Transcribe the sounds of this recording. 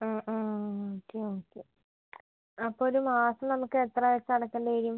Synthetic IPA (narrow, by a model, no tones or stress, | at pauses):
aːʔaːoːkːeoːkːe | ɐpːoːoɾumaːsɐmnɐmukːɨet̪rɐʋet͡ɕːɨɐɽɐkːeːɳɖɐeːɾijum